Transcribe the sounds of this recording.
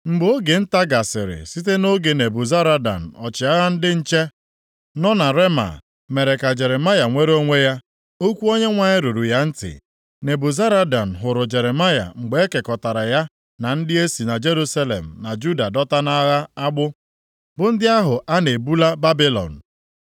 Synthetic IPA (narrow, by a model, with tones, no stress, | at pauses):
ŋ͡m̩˨ɡ͡bo˦ɡe˨n̩˦ta˦ɡa˨sɪ̰˨ɾɪ̰˨si˦t̬e˦no˦ɡe˨ne˨bʊ˨za˦ɾa˦da̰˨n̩˨ɔ˨t͡ʃɪ˨a˦ɣa˦n̩˦dɪ˦n̩˦t͡ʃe˦ | nɔ˦na˨ɾe˦ma̰˨ | me˨ɾe˨ka˨d͡ʒe˨ɾe˨ma˦ja˨ŋʷe˦ɾo˦ŋʷe˦ja˦ | o˦kʷu˦o˦ɲe˦ŋʷa˨ɲɪ˦ɾu˨ɾu˨ja˦n̩˦tɪ̰˨ | ne˨bʊ˨za˦ɾa˦da˨n̩˨ɦʊ˨ɾʊ˨d͡ʒe˨ɾe˨ma˦ja̰˨ŋ͡m̩˨ɡ͡be˨˦e˦ke˨kɔ˨ta˨ɾa˨ja˦ | na˨n̩˦dɪ˦e˦si˨na˨d͡ʒe˦ɾu˦sa˦lḛ˨m̩˨na˨d͡ʒu˦da˨dɔ˦ta˦na˦ɣa˦a˦ɡ͡bʊ˦ | bʊ˨n̩˦dɪ˦a˦ɦʊ˨ʔa˦ne˨bu˦la˦ba˦bɪ˦lɔ̰˨n̩˨